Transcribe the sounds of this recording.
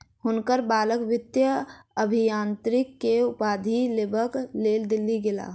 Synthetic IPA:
ɦʊnkəɾbaːləkʋɪt̪jəəbʱijãːnt̪ɾɪkːeʊpaːd̪ʱileːbʱəkleːld̪ɪlːiɡɪla̰ː

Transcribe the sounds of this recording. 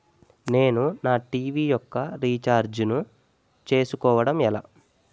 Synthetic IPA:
ne̞ːnunaːʈiːʋijɔkːɐɾiːt͡ʃaːɾd͡ʒnu | t͡ʃe̞ːsukɔːʋɐɽɐmɛla̰ː

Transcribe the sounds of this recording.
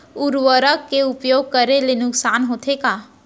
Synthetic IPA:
uɾʋəɾəkːeʊpjoːɡ̚kəɾelenʊksaːnɦoːt̪ʰekaː

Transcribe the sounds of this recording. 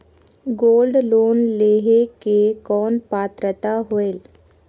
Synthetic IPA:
ɡoːlɖloːnleːɦekekɔːnpaːt̪ɾət̪aɦoeːl

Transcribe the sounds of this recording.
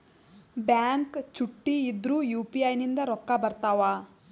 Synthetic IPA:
bjaːŋkt͡ʃuʈːiːd̪ɾuːjuːpiɐjnind̪ɐɾɔkːabɐɾt̪aːʋaː

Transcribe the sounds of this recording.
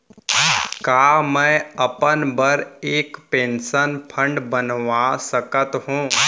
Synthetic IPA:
kaːmɛ̃ɐpənbəɾeːkpẽːnsənpʰə̃ɳɖbənʋasəkət̪ɦũː

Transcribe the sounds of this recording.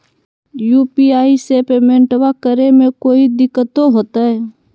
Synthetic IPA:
juːpiaːisepeːmẽɳʈwakəɾemẽkoːid̪ɪkːət̪oɦoːt̪aɦɛː

